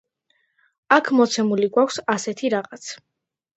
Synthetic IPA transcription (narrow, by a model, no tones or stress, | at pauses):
akʰmɔt̪sʰɛmuliɡwakʷʰsasɛt̪ʰiɾaʁat̪sʰ